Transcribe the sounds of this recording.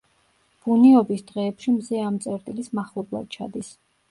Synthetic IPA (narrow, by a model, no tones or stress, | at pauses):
b̥uniɔbisd̪̥ʁɛːpʃimzɛamt̪sʼɛɾt̪ʼilismaχlˠɔblˠa̰d̪̥̚t͡ʃʰa̰d̪is